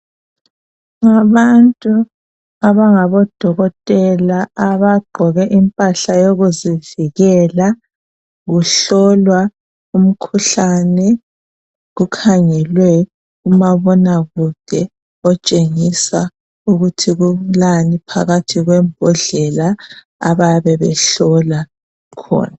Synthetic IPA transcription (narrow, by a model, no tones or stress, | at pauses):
ŋaβantʼu | aβaŋaβɔd̥ʱɔɣɔtʼɛlaaβaɡ͡ǃʱɔɣɛʔimpʼaɬajoɣuziviɣɛla | ɣuɬɔlwa | um̩kʰuɬanɛ | ɣukʰaŋɛlwɛ | umaβɔnaɣud̥ʱɛ | ɔt͡ʃʼeŋisa | uɣutʰiɣulanipʰa̰ɣatʰiɣwɛmbʱɔɮɛla̰ː | βajβɛβɛ̰ɬɔla | kʰɔ̰ːna